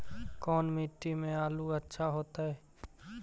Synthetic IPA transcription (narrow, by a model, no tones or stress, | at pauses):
kɔːnmiːʈːimẽaːluɐtːʃʰaɦoːt̪aɦɛː